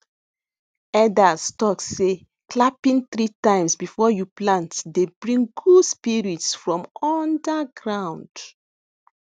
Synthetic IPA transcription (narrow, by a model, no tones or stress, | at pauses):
ɛdastɔkse | klapĩnθɹitãɪ̃msbifɔjuplãntdebɹĩŋɡuspiɹitsfɹɔ̃mɔndaɡɹãw̃nd